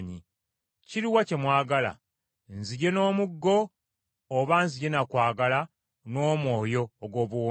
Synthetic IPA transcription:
ɲi | ciɾiwace̞mwaːɡala̰ | nziɟe̞no̞ːmuɡːo̞ː | βanziɟe̞nakwaːɡala | no̞ːmwo̞ːjo̞ːɡwo̞ːβwo

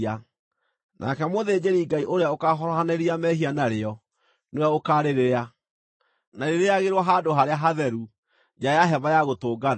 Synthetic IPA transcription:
a | nʔa̰kɛmoðeːd͡ʑeɾiɡaiʔoɾeaokaɦɔɾɔɦaneɾiamɛɦianaɾeɔ | neojaokaɾeɾeɾea | naɾeɾeaɣeɾwɔɦadoɦaɾeaɦaðɛɾu | d͡ʒajaɦɛβajaɣotoːɡana

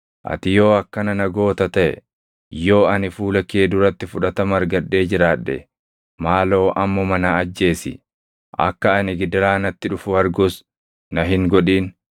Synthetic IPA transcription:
ʔɐ̰t̪ɪjo̞ːɐkːɐnɐnɐɡo̞ːt̪ɐt̪ɐʔɛ̰ | jo̞ːɐnɪfuːlɐkeːd̪ʊɾɐt̪ːɪfʊᶑɐt̪ɐmɐɾɡɐᶑːe̞ːd͡ʒɪɾaːᶑːɛ̰ | maːlo̞ːʔɐmːɔmɐnɐɐd͡ʒːe̞ːsɪ̰ | ʔɐ̰kːɐɐnɪɡɪd̪ɐɾaːnɐt̪ːɪᶑʊfʊɐɾɡʊs | nɐɦɪŋɡɔᶑiːn

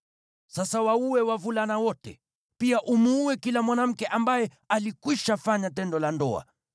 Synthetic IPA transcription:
sasawauwɛwavulanawɔtɛ̰ | piaʔumuːwɛkilamwanam̩kɛʔambajɛ | alikwiʃafaɲatɛndɔlandɔ̰a̰

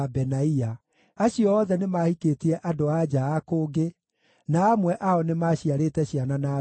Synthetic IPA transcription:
bɛnaia | aɕiɔːðɛnemahikeːtiɛʔadoad͡ʑaːkoːɡe | naːmwɛʔaɔnemaːɕiaɾeːtɛɕianana

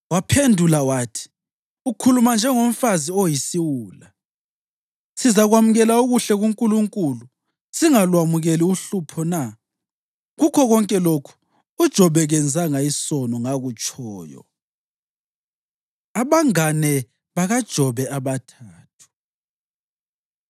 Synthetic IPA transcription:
wapʰendʱulawaːtʰi̥ | ukʰulumand͡ʒʱɛŋom̩faziojisiwuːla | sizaɣwamuɣɛlauɣuɬɛɣuŋkʼuluŋkʼulu | siŋalwamuɣeliuɬupʰɔna | ɣukʰɔɣɔŋkʼɛlokʰu̥ | ud̥ʒ̥ʱɔβɛɣɛnd͡zʱaŋaisɔnɔŋaɣut͡ʃʼɔːjɔ̰ | aβaŋanɛ | βaɣad̥ʒ̥ʱɔβɛʔaβatʰaːtʰu̥

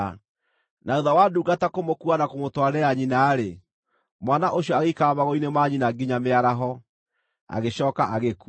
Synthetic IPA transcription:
nauðawaduːɡatakomokuanakomotwaɾɛaɲinaːɾe | mwanaʔoɕijɔaɣeikamaɣoinemaɲinaɡiɲameaɾaɦɔ | a̰ɣeɕɔːkaʔaɣeku

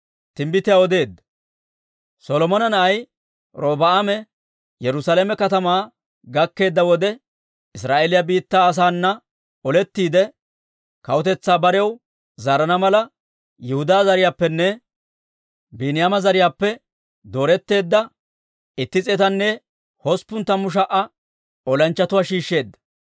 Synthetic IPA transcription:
t̪ɪmbɪt̪ɪjawɔd̪e̞ːd̪ːɐ̥ | sɔlɔmɔnɐnɐʔɐj | ɾo̞ːbɐamɛ | jɛɾʊsaːlɛmɛkɐt̪ɐmaː | ɡɐkːe̞ːd̪ːɐwɔd̪ɛ | ɪs̬ɾaːʔeːlɪjabiːt̪ːaːs̬aːnːɐ | ɔlɛt̪ːiːd̪ɛ | kɐwʊt̪ɛt͡sːaːbɐɾɛw | zaːɾɐnɐmɐlɐ | jɛhʊd̪aːzɐɾɪjaːpːɛnːɛ | biːnɪjaːmɐzɐɾɪjaːpːɛ | d̪o̞ːɾɛt̪ːe̞ːd̪ːɐ | ɪt̪ːɪt͡sʼɛt̪ɐnːɛ | hɔspːʊnt̪ːɐmʊʃ̬ɐʔɐ | ɔlɐnt͡ʃːɐt̪ʊwaːʃiːʃːe̞ːd̪ːɐ̥

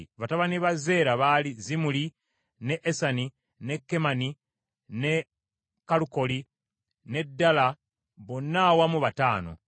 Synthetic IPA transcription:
βataβaniβaze̞ːɾaβalizimuli | neʔːsani | ne̞kːe̞mani | ne̞ | kːaluko̞li | ne̞dːala | βonːawamuβataːno̞̰

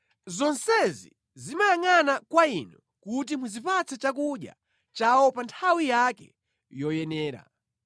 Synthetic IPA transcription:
zɔnsɛzḭ | zimajaŋanakwainu | kut̬imuzipat͡sɛt͡ʃak̬uɗja̰ | t͡ʃawɔpantʰawijakɛ̰ | jɔjɛnɛːɾa̰

